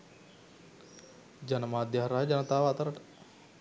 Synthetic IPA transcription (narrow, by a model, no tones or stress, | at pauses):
d͡ʒɐnɐmaːd̪jɐɦɾɐɦɐd͡ʒɐnɐt̪aːʋaːt̪ɐɾɐʈ